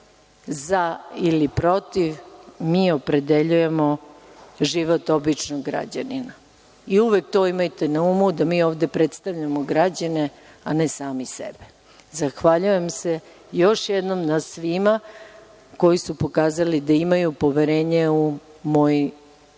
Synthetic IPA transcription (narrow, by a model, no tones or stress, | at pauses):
zailipɾo̞t̪iʋmiːo̞pɾe̞d̪e̞ʎuje̞mo̞ | ʒiʋot̪o̞bit͡ʃnoɡɾa̰d͡ʑa̰nina | iuʋek̚t̪o̞ːimajt̪e̞naumud̪amiːo̞ːʋd̪e̞pɾet̪st̪aʋʎamoɡɾad͡ʑane̞ | anesaːmisḛbe | zaxʋaʎuje̞mse | jo̞ʃjed̪nomnasʋima | ko̞jisupo̞kaːzalid̪aimajupo̞ʋeɾeːɲeu | mo̞ji